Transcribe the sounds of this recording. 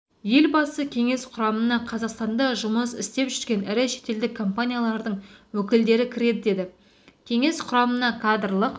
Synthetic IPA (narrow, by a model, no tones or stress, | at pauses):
je̞lbɑsəkʲʰe̞ŋe̞sqʰʊɾɑmənɑqʰɑzɑqst̪ɑnd̪ɑʒʊməsɪ̰st̪e̞pʒʏzɡʲkʲe̞nɪɾɪʃe̞̥t̪e̞ld̪ɪkʰːo̞mpanʲijalˠɑɾd̪əɴwɵkʲɪld̪e̞ɾɪkʲʰɪɾe̞d̪ɪd̪e̞d̪ɪ | kʲʰe̞ŋe̞sqʰʊɾɑmənɑkʰad̪rlˠəq